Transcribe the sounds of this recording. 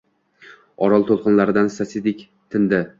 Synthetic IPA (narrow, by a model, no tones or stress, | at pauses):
ɒɾɒlˠt̪ʰolˠqɨnlaɾɪd̪ansasid̪ɪkʲ | t̪ʰɪnd̪ɪ